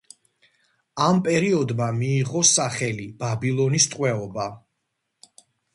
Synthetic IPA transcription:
ampʼɛɾiɔd̪mamiːʁɔsaχɛlib̥abilˠɔnist̪ʼqʼwɛɔba

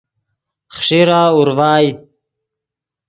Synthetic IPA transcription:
χʂiɾaːuɾwaːj

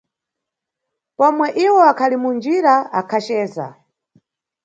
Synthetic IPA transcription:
pɔmwɛʔiwɔakʰalimund͡ʒiɾaakʰat͡ʃɛːza̰

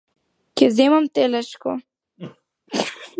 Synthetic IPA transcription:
kezemamt̪elaʃko̰

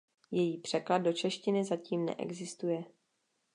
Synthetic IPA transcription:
jɛjiːpr̝̥ɛklad̚do̞t͡ʃɛʃcɪnɪzaciːmnɛ̰ʔɛ̰ɡzɪst̪ujɛ

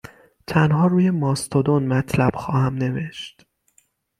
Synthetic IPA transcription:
t̪ʰænhɒːɾuːje̞mɒːst̪ʰod̪onmæt̪ʰlæb̥xɒːhæmne̞ve̞ʃt̪

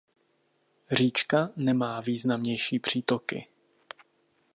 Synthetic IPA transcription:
r̝iːt͡ʃkanɛmaːviːznamɲɛjʃiːpr̝̥iːt̪okɪ̰

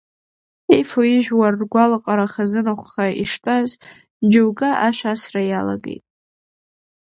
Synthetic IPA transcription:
ejfoiʒᶣwarːɡʷalaqʼaɾaχazɨnaχʷχaiʂtʰʼaz | d͡ʒowɡaʔaʃʷᶣasrajala̰ɡe̞̰jtʼ

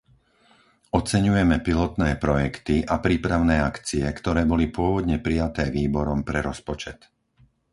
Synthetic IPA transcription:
ɔt͡sɛɲujɛmɛpilɔt̪nɛːpɾɔjɛkt̪iʔapɾiːpɾaʊnɛːakt͡siɛkt̪ɔɾɛːbɔlipʊɔʋɔd̪ɲɛpɾijat̪ɛːʋiːbɔɾɔmpɾɛɾɔspɔt͡ʃɛt̪

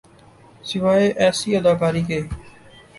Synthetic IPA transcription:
sɪʋaːeːʔɛːsiːəd̪aːkaːɾiːkeː

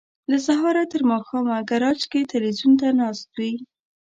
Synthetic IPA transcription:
lasaɦɑɾat̪əɾmɑxɑmaɡaɾɑd͡ʒket̪ɪlwizunt̪̬anɑst̪̚wi

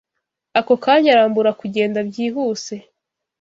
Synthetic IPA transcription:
ako̞kaːɲaɾaːmbuɾakuɟe̞ːndabɟiːɦuːse̞

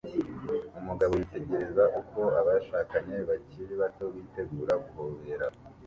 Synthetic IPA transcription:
umuɡaβojite̞ɟe̞ɾe̞zaʔuko̞aβaʃaːkaɲe̞βaciɾiβato̞wiːte̞ɡuːɾaɡuhoːβe̞ɾa

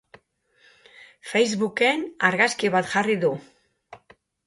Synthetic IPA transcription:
fejzβuke̞naɾɣaskiβat̪ʝariðu

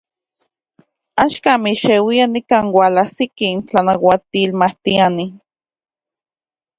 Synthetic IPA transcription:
aʃkamiʃewianikaːnwalasikint͡ɬanawat̪iːlmaht̪iani

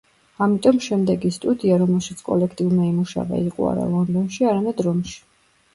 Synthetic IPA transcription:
amit̪ʼɔmʃɛmd̪ɛɡist̪ʼud̪iaɾɔmɛlˠʃit̪sʰkʼɔ̰lɛkʰt̪ʼiumaimuʃa̰va̰iqʼṵa̰ɾa̰lˠɔnd̪ɔnʃiaɾamɛd̪ɾɔmʃi̥

